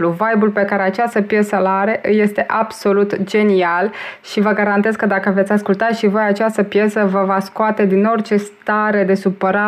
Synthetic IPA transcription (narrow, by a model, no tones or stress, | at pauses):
luvajbulpe̞kaɾe̞at͡ʃast̪əpje̞səlaɾeʔɨje̞st̪e̞ʔabso̞lut̪d͡ʒe̞nialʃivəɡaɾant̪e̞zkəd̪akəve̞t̪sʲaskult̪at̪ʃivo̞jat͡ʃast̪əpje̞səvəvaskoat̪e̞d̪ino̞rt͡ʃe̞st̪aɾe̞d̪e̞supəɾa